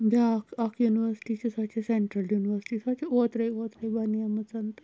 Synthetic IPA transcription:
d̪ʱakakjuniʋəɾsi̥ʈit͡ɕesat͡ɕeseɳʈɾəljuniʋəɾsi̥ʈiːsat͡ɕeot̪ɾəjot̪ɾəjbanijamət͡sant̪ə

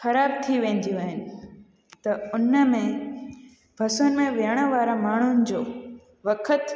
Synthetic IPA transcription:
xɐɾaːbt̪ʰiʋẽːnd̪ijũaːɦɪnɪ̆ | t̪ɐʊnəmẽ | bʱɐsʊnɪ̆mẽʋeːɽ̃əʋaːɾãmaːɳ̤ʊnɪ̆d͡ʑoː | ʋɐkʰət̪

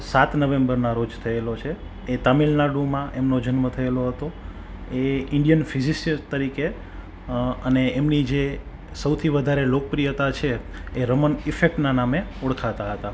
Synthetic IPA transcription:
sat̪nəʋembəɾnaɾod͡ʒt̪ʰəelot͡ʃʰeː | t̪amilnaɖũmãʔemnod͡ʒənmət̪ʰəeloɦət̪o | eɪɳɖjənfizist̪əɾike | əneemnid͡ʒe | səwt̪ʰiʋəd̪ʱaɾelokəpɾijət̪at͡ʃʰeː | ɾəmənifek̚ʈnanameuɽkʰat̪aɦət̪a

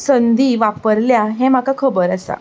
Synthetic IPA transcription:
sənd̪ʱiːʋapəɾljaɦẽm̤akakʰəbəɾasa̰

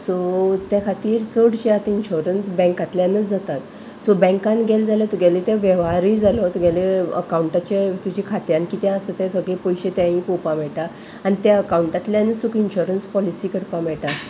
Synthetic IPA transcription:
sot̪jãkʰat̪iːɾt͡səɽɕeat̪inɕoɾənsbɛ̃ŋkat̪ljanət͡sd͡zat̪at̪ | sobɛ̃ŋkãnɡʱeld͡zaljat̪uɡʱalet̪ãʋɛʋaɾid͡zalot̪uɡʱjaleə̰kauɳʈat͡ɕet̪ud͡ʑikʰat̪jãnkiːt̪jãasət̪ɛsəɡɭepojɕet̪jãĩpopamɛɭʈa | anit̪jaəkauɳʈat̪ljanət͡ssukinɕuɾənspɔlisiːkəɾpamɛɭʈas

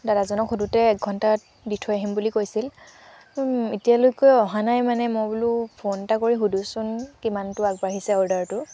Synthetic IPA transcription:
dadazɔnɔkxudutɛːk̚ɡʱɔntaɹ | ditʰɔjaɦimbulikojsil | itijalojkojɔɦanajmanɛmobulupʰontakoɹiɦudusʊnkimantʊak̚baɦisɛɔɹdaɹtʊ

